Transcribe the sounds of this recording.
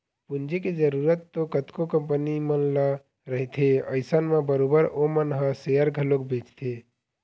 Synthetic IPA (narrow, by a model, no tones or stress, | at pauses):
pund͡ʒeked͡ʒəɾuːɾət̪ːokət̪kokəmpənimənlə | ɾəɦit̪ʰeə̰ɪsənmẽbəɾoːbəɾomənɦə̃sejəɾɡʱəlokbʱeːt͡ʃt̪ʰe